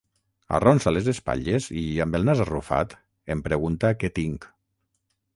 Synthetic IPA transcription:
a̰rɔnsalezespa̰ʎeziambelˠnazarufa̰t̪ | empɾeɣunt̪aket̪iŋk

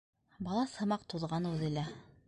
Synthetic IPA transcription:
bɑlˠɑsɤ̆mɑq̚t̪uðʁɑnʉðɘ̆læ

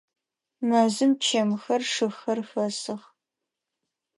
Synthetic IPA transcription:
mɐzɨmt͡ʃʰɐmxɐrʂɨxɐrxɐsɨʁ

